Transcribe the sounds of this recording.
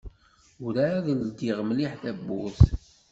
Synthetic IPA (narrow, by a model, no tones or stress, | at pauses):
uɾaðəld̪iʁmliħθæbːʊθ